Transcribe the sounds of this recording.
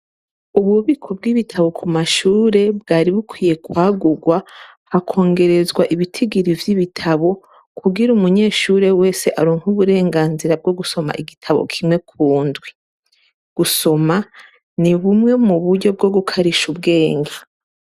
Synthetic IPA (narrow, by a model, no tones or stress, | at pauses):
uβuβikʰo̞b̚ɡiβitʰaβo̞kʰumaʃuːɾe̞b̚ɡaːɾiβukwiːje̞kwaːɡuɡwa | hakʰo̞ːŋɡe̞ɾe̞zɡwaʔiβitʰiɡiɾivjiβitʰaβo̞ | kʰuɡiɾumuɲe̞ːʃuːɾe̞we̞ːse̞ʔaɾoːŋhuβuɾe̞ːŋɡaːnziɾab̚ɡo̞ɡuso̞ma̰ʔiɡitʰaβo̰kʰimŋe̞kʰuːndwi | ɡ̥uso̞ma | niβumŋe̞muβuɾɟo̞b̚ɡo̞ɡukʰaɾiʃubɡe̞ːŋɡa